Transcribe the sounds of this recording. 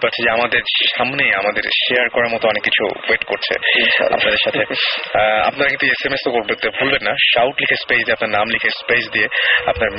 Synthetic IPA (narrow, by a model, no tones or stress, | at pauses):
paɾt͡ɕʰed͡ʑeamad̪eɾʃamnejamad̪eɾʃeaɾkɔɾaɾmɔt̪oɔnekːit͡ɕʰṵweʈkoɾt͡ɕʰḛa̰a̰pnad̪eɾʃat̪ʰe | a̰pnaɾakĩnt̪uesemest̪okoɾbet̪ebʱolbenːaʃawʈlikʰespejsd̪ijeapnaɾnamlikʰespejsd̪ieapnaɾm